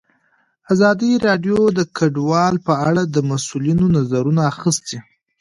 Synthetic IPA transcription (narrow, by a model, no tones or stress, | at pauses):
azɑd̪iɾɑɖjod̪əkʰaɖwɑlpəaɽad̪əmasulinonazaɾunaːxəst̪i